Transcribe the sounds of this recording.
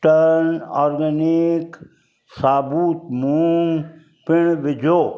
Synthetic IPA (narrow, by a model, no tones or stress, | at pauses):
ʈəɾnɔːɾɡənik | saːbuːt̪muŋ | pɪɳ̃bɪd͡ʒoː